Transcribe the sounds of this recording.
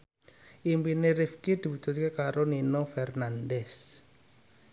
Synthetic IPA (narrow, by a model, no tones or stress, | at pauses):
ʔimpineɾifkid̪̥i̤but̪ṳt̪̚kekaɾoninofɛrnandɛs